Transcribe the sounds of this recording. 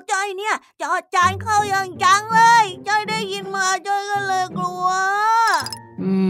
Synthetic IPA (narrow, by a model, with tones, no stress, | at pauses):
t͡ɕɔ˧˩jni˥˩ɐə | t͡ɕɔː˧˩t͡ɕa˧˦jkʰa˧˥˩wjaː˧ŋt͡ɕa˧˥ŋlɤː˧jt͡ɕɔ˧˩jdaː˥˩jːi˧nmaː˧t͡ɕɔ˧˩jkɔ˧˩lɤː˧jklu˧ə | ʔɯː˧˩